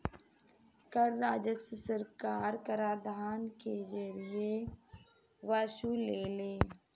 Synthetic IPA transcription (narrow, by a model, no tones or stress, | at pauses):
kəɾːaːd͡ʒəsəsəɾkaːɾkəɾaːɾd̪ʱaːnkezəɾɪe | ʋaʃuːleːleː